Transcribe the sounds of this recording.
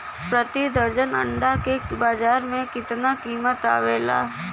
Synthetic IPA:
pɾət̪id̪əɾd͡ʒənɐ̰ɳɖakebaːd͡ʒaːɾmẽkɪt̪nakiːmət̪a̰ːʋeːla̰ː

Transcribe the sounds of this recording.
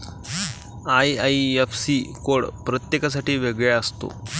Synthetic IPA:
aiaiefsiːkoɽpɾət̪jekasaʈiːʋeɡɭeəst̪o̰

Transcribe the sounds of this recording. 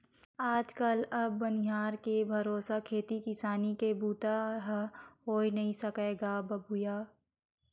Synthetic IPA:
aːd͡ʒkɐlɐbːɐnɪɦaːɾkebʱɐɾoːsakʰeːt̪ikɪsaːnikebuːt̪aɦɦoːinɐɦĩsɐkeːɡabɐbʱʊjaː

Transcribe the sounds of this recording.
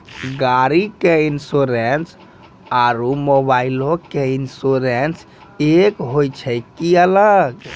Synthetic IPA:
ɡaɾikeinsoɾens | aɾumobailõkeinsoɾens | ekɦojt͡ʃʰɛkiələɡ

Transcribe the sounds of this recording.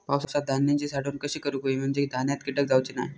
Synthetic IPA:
pawsosad̪ʱanjaɲt͡ɕiːsaɽuːnkəɕiːkəɾuːkoim̤əɳd͡ʑed̪ʱanjat̪kiʈək̚d͡zawt͡ɕina̰j

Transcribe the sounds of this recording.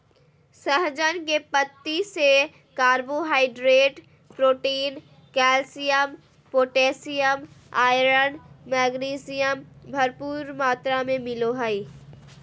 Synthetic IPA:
səɦd͡ʒənkepət̪ːise | kaːɾboɦaːɪɖɾeːʈ | pɾoːʈiːn | kɛːlsɪjəm | poːʈeːsɪjəmaːjɾənmɛːɡniːsɪjəmbʱɐɾpuːɾmaːt̪ɾamẽmɪloɦəi

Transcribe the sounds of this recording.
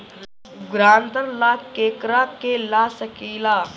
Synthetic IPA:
ɡɾaːnt̪əɾlakeːkɾakelasəkiːlaː

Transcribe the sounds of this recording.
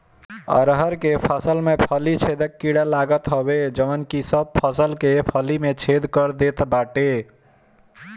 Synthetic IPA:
ə̰ɾɦəɾkepʰasəlmepʰəlit͡ʃʰed̪əkːiɽalaɡət̪ɦɔbed͡ʒəmənkisəb̚pʰəsəlkepʰəlimet͡ʃʰed̪kəɾd̪et̪baʈe

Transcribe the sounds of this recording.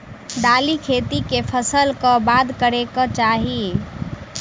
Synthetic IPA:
d̪alikʰet̪ikepʰəsəlkɔbad̪kəɾekət͡ʃaɦi

